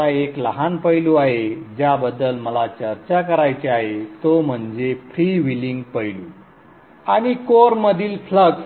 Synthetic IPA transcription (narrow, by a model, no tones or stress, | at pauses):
aekləɦanpəjluaɦed͡ʑjabəd̪ːəlməlat͡ɕəɾt͡ɕakəɾajt͡ɕeaɦet̪om̤əɳd͡zefɾiʋiliŋɡpəjlu | aɽ̃ikoɾməd̪ʱiːlfləɡ